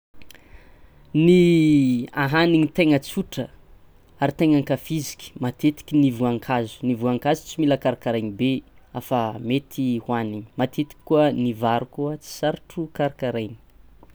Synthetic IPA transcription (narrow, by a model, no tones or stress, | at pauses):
ni | aɦaniŋit̪eŋət͡suʈ͡ʂə | aɾit̪eŋaŋkafizi̥kʲi̥mat̪ʰet̪i̥kʲinivuaŋkʰazu̥nivuaŋkazu̥t͡similəkaɾakaɾajnibeafəmet̪ʰihwaniŋi̥mat̪ʰet̪i̥kʲi̥kːuənivaɾukuət͡si̥saɾaʈ͡ʂukaɾakaɾajni̥